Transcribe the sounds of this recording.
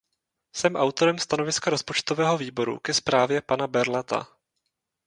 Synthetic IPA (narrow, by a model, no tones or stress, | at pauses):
sɛmʔawt̪o̞ɾɛmst̪ano̞vɪskaɾo̞spo̞t͡ʃt̪o̞vɛːɦo̞viːbo̞ɾṵkɛspɾaːvjɛpanabɛɾlat̪a̰